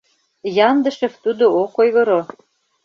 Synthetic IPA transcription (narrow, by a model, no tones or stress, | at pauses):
jɑnd̪ə̆ʃĕft̪ud̪ookojɣɤɾo